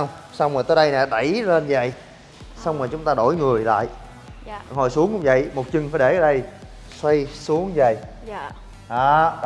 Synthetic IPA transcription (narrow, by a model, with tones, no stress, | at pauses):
wŋ͡m | sa˧wŋ͡mməː˨˩t̪əː˨˦jɗə˧jnɛ˨˩ɗə˧˩jle˧nzə̰˧˨j | sa˧wŋ͡mmaː˨˩t͡ɕʊ˨˦ŋ͡mt̪aː˧ɗo˧˩jŋɨ˨˩əjla̰ː˧˨j | hɔ˨˩jsu˨˦əŋkʊ̰˧˥ŋ͡mvə̰˧˨jmo˨˩t̚t͡ɕɨ˨˧˩ŋfaː˧˩˦jɗe˧˩ʔəː˧˦ɗə˧j | swa˧jsu˨˦əŋzə̰˨˩j | ʔaː˨˩